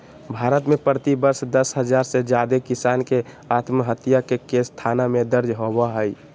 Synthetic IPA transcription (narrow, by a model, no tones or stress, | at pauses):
bʱaːɾət̪mepɾət̪ibəɾsd̪əsɦəd͡ʒaːɾsed͡ʒjad̪ekisaːnke | at̪məɦət̪ːijakekest̪ʰanamẽd̪əɾd͡ʒɦobaɦəj